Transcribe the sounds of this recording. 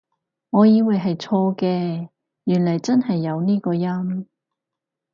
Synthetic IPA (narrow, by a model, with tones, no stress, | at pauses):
ŋɔː˨˧jiː˨˧wɐ˨jɦɐ˨jt͡sʰɔː˧kɛː˧ | jyː˨˩nlɐ˨˩jt͡sɐ˥nhɐ˨jːɐ˨˧wniː˥kɔː˧jɐ˥m